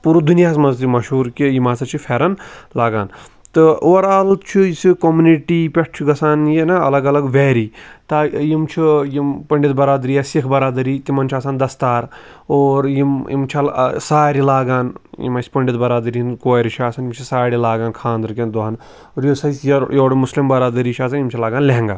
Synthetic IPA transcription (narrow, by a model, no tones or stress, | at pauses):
puɾud̪unjaːsmɐnzt̪imɐʃuːɾkijimaːsɐt͡ʃʰifʰeːɾɐnlaːɡaːn | t̪ɨoːɾalt̪t͡ʃʰisikomuniʈiːpʲeʈ̚ʰt͡ʃʰiɡɐsaːnjinɐɐ̰lɐɡɐlɐɡʋeːɾiːt̪ajimt͡ʃʰijimpɐɳɖʲit̪̚bɐɾaːd̪ɾijasikʰbɐɾaːd̪ɐɾiːt̪imɐnt͡ʃʰaːsaːnd̪ɐst̪aːɾ | oːɾjimjḭmt͡ʃʰiɐlsaːɾilaːɡaːnjḭmɐsʲpɐɳɖit̪bɐɾaːd̪ɾiinkoːɾit͡ʃʰaːsɐnimt͡ʃʰisaːɾilaːɡaːnkʰãːnd̪ɾkʲend̪oɦɐn | oɾjosɐjsjɐjoːɽmuslimbɐɾaːd̪ɐɾiːt͡ʃʰaːsanjimt͡ʃʰilaːɡaːnleɦŋɡaː